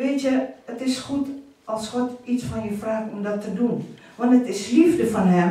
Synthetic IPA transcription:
beːtjəətɪsχut | ɑlˠsχɔtitsfɑnjəfraːkɔmdɔtːədun | ʋɑntətɪslifdəfɑnɦɛm

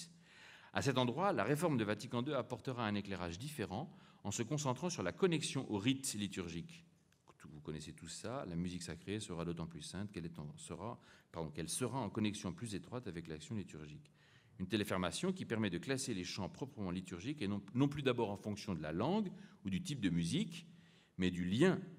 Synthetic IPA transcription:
a̰sɛt̪ɑ̃d̪ʁwala̰ʁefɔʁmd̪əvat̪ikɑ̃d̪øapɔʁt̪əʁaɛ̃neklɛʁaʒd̪ifeʁɑ̃ɑ̃səkɔ̃sɑ̃t̪χɑ̃syʁlakɔnɛksjɔ̃ʔoʁit̪lit̪yʁʒik̪ | vukɔnɛset̪usalamyziksakχesəʁad̪ot̪ɑ̃plysɛ̃t̪kɛlɛt̪ɑ̃səʁa̰paʁd̪ɔ̃kɛlsəʁaɑ̃kɔnɛksjɔ̃plyzet̪χwat̪avɛklaksjɔ̃lit̪yʁʒik | ynt̪elefɛʁmasjɔ̃kʲipɛʁmɛd̪əklaseleʃɑ̃pχɔpχəmɑ̃lit̪yʁʒikeɔ̃nɔ̃plyd̪abɔʁɑ̃fɔ̃ksjɔ̃d̪əlalɑ̃ɡud̪yt̪ip̚d̪əmyzik | mɛd̪yljɛ̃

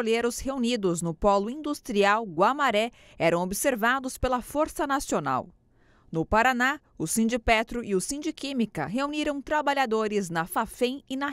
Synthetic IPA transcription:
oleɾʊsheunid̪ʊznʊpɔlʊĩnd̪ust̪ɾiawɡwamaɾɛ | ɛɾɐ̃w̃obɪseɾvad̪ʊspelɐfoɾsɐnasiona̰w | nʊpaɾana | ʊsĩnd͡ʒipɛt̪ɾʊʔiʊsĩnd͡ʒikĩmikɐ̰ɦeuniɾɐ̃w̃t̪ɾabaʎad̪oɾɪznɐfafẽj̃ɪnɐ

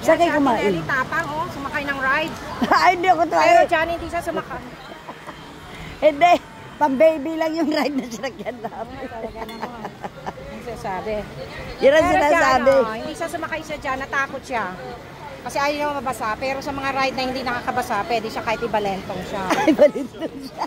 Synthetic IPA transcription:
sakajkʊmaːʔɪlɪt̪aːpɐŋʔosʊmɐkajnɐŋɹajd̪̚hɪnd̪iʔɐkot̪aːjood͡ʒanhɪnd̪iʃasʊmɐkaj | hɪnd̪ɛ | pɐŋbejbɪlɐŋjʊŋɾajd̪̚nɐʃanɐɡ̚ɐd̪aːbɐj̪ɐɐ | ɐɡssaːbɛjʊnɐnsɪnaːsaːbɛhɪnd̪iʃasʊmɐkajsad͡ʒanːɐt̪aːkot̪̚ʃa | kɐsɛʔaːjoʃamɐmɐbɐsaʔpɛːɾo̞sɐmɐŋaɾajd̪̚nɐhɪnd̪inɐkaːkɐbɐsaʔpwɛːd̪ɪʃakaːhɪt̪ɪbɐlɛnt̪oŋʃaɪbɐlɪt̪d̪oŋʃa

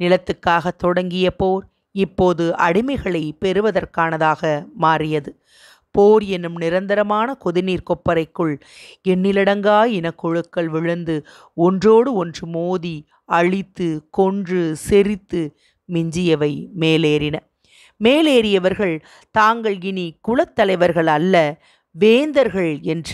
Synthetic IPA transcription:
nɪlɐt̪ːɯkːaːɣɐt̪ːɔɽɐŋɡɪjɐpoːɾ | ɪpːoːðɯʔɐɽɪmɐɪɣɐɭɐɪpɛɾɯʋɐðɐrkaːnɐðaːɣɐmaːrɪjɐðɯ | poːɾɛnːɯmnɪɾɐnd̪ɐɾɐmaːnɐkɔðɪniːɾkɔpːɐɾɐɪkːɯɭ | ɛnːɪlɪɽɐŋɡaːɪnɐkːɔɻɯkːɐɭʋɪɻɐnd̪ɯ | ɔndroːɽɯɔndrɯmoːði | ɐɻɪt̪ːɯkɔndrɯsɛɾɪt̪ːɯ | mɪɲd͡ʒɪjɐʋɐɪmeːleːɾɪnɐ | meːleːɾɪjɐʋɐɾɣɐɭ | t̪aːŋɡɐɭɡɪnikʊɻɐt̪ːɐlɐɪʋɐɾɣɐɭɐlːɐ | ʋeːnd̪ɐɾɣɐɭɛndr

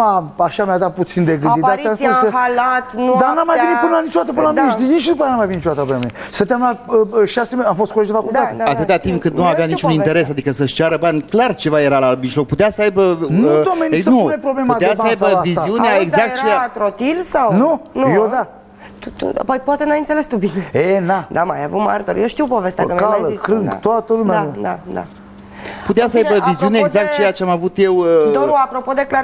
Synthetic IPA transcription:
aaʃamead̪at̪̚put̪sind̪eɡɨd̪id̪aasusəhalat̪nud̪anamajenipɨnəlanit͡ʃod̪at̪əpɨnəlamiʃd̪init͡ʃd̪upajanamajvininit͡ʃoat̪əpɨnami | sənt̪jamlat̪əʃasemeamfost̪koled͡ʒd̪efakuld̪aat̪ɨt̪at̪impkɨnt̪nuaveanit͡ʃunint̪eɾe̞sad̪ikəsəʃt͡ʃaɾəbanʲklart͡ʃe̞vaje̞ɾalamiʃlo̞k̚put̪easəajbənd̪omenuepɾoblemuat̪easəajbəvizziuneaeɡzak̚tt͡ʃejaat̪ɾot̪ilsawnunujod̪a | t̪ut̪ṵa̰pojpoat̪enajɨnt̪sele̞st̪ubineenad̪ama̰javuma̰ɾt̪oɾjewʃt̪iwpo̞ve̞st̪eakəmazikɾɨŋɡa̰t̪oat̪əlumead̪ad̪a̰ | put̪easəajbəviziuneeːɡzak̚t̪̚t͡ʃejat͡ʃeamavut̪je̞wəd̪oɾuapɾo̞po̞d̪e̞kla

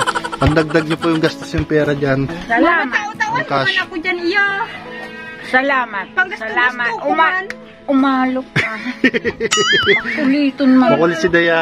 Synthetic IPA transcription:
pɐŋd̪ɐɡ̚d̪ɐɡ̚ɲopojʊŋɡɐst̪osjʊŋpɛːɾɐd͡ʒansɐlaːmɐtɐŋkaɐkʊd͡ʒanɪjo | sɐlaːmɐt̪̚sɐlaːmɐt̪ʔʊma | ʔʊmaːlok | pʊliːt̪onmɐŋkolɪsɪd̪ɐjaː

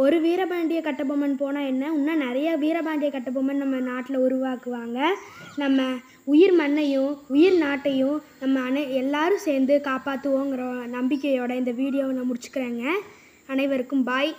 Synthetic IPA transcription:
ɔɾɯʋiːɾɐbaːɳɖɪjɐkɐʈːɐb̬oːmɐnpoːnãːɛnːɐʊnːaːnɛɾɐjɐʋiːɾɐbaːɳɖɪjɐkɐʈːɐp̬ːoːmɐnnɐmːɐnaːʈːɪlɐʊɾʊʋaːkɯʋaːŋɡɐnɐmːɐ | ʊjɪɾmɐnːɐjʊ̃ʊjɪɾnaːʈːɐjʊ̃nɐmːɐːnɐɛlːaːɾɯ̃seːɾnd̪ɯkaːpaːt̪ːɯʋõːɪŋɡɪɾɐnɐmbɪkːɛjoːɽɐɪnd̪ɐʋiːɽɪjoːnãːmʊɽɪt͡ʃːɯ̥kːɪɾeːŋɡɐ | ɐnɐɪʋɐɾɯkːɯmbaːj

